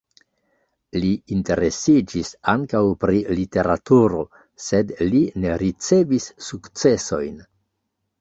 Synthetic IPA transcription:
liːnte̞ɾe̞sid͡ʒisaŋkawpɾilite̞ɾatuɾo̞̰ | se̞dline̞ɾit͡se̞visːukt͡se̞so̞jn

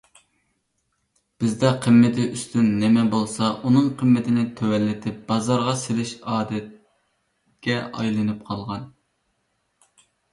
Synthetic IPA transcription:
b̥ɪzd̪ɛqʰəmːɪt̪ʰɪʔyst̪ʰynːɛmɛbolˠsɑunɨŋqʰəmːɪt̪ʰɪnɪt̪ʰøwɛlːɪt̪ʰɪp̚b̥ɑzɑɾʁɑselɪʃɑːd̪ɛt̪̚ | kʲɛʔɑ̰jlˠɨnɨp̚qʰɑlˠʁɑn

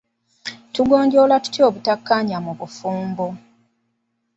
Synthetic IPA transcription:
tuɡo̞ːɲɟo̞latu̥tjo̞ːβutakːaɲamuβufuːmbo

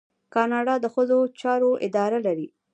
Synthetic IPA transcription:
kɑnɑɖɑd̪əxəzot͡ʃɑɾoʔɪd̪ɑɾalaɾi

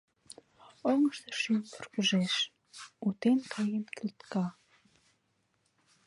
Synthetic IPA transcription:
oŋə̆ʃt̪ɤ̆ʃymʲpŭrkuʒeʃ | ut̪enkʰɑjemkilt̪kɑ

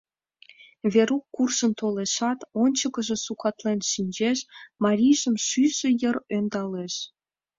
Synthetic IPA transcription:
βeɾukːurʃənt̪oleʃɑt̪onʲt͡ɕəkə̆ʒĕsukɑt̪lenʃinʲd͡ʑeʃmɑɾʲijʒəmʃyʃĕjərønd̪ɑleʃ

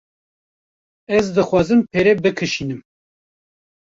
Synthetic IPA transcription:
ɛzd̪ɨxwɑːzɨmpʰeːɾɛbɨkʰɨʃiːnɨm

